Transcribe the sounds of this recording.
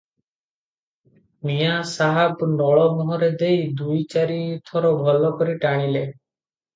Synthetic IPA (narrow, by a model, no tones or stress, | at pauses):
mijasaɦabnɔɭɔmɔɦɔɾed̪ejd̪ujt͡ʃaɾit̪ʰɔɾɔbʱɔlɔkɔɾiʈaɽ̃ile